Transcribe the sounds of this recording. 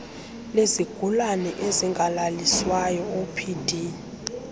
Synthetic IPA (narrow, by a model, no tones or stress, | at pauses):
leziɡ̥ʱulanɛʔeziŋɡʱalaliswajɔopʰid̥ʱi